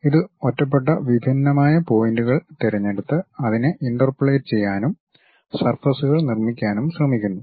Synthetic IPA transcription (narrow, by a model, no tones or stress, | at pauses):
iðɨotːɐp̬ːe̞ʈːɐʋibʱinːɐmaːjɐpo̞ːjinɖuɣɐɭt̪eɾɐɲːe̞ɽut̪ːɨɐðinɨʔiɳɖɐrpɨɭeːtɨt͡ɕe̞jːaːnum | sɐrfɐsuɣɐɭnirmikʲːaːnumsrɐmikʲːunːu